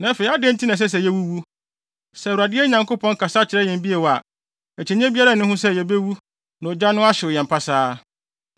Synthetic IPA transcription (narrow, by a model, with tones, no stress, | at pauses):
nã˨˦fe˨˦a˦dɪ̃˦n̩˦tʰi˦nã˨s̬ɛ˦s̬ɛ˨jɛ˦wu˦wu˦ | sɛ˨wa˨dɪ˦ɛ˦ɲã˨ŋko˦pʰɔ̃˦ŋ˦kʰa˨sa˦t͡ɕʰɪ˨ɾɛ˦jɛ̃˨m˦bi˦e˨wɔ˨a̰˨ | ɛ˨t͡ɕʰɛ˨ɲ̃˦ɛ̃˦bi˦a˦ɾa˦˨nʊ̃˦ɦʊ̃˦sɛ˦jɛ˨be˦wu˦ | nã˨ɔ˨d͡ʑa˦nʊ̃˦a˦ɕɪ˨ʊ˨jɛ̃˨m̩˨pʰa˦saː˦